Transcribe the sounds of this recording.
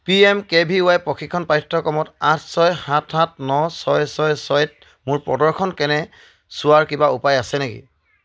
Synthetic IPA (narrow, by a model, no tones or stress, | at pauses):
piɛmkɛbʱiʊajpɹɔkʰikʰːɔnpajtʰːɔkɔmɔtatʰsɔjhãtʰhatnɔsɔjsɔjsɔjt̚ | mʊɹpɹɔ̰dɔɹkʰɔnkɛnɛ | sʊaɹkibaupajasɛnekḭ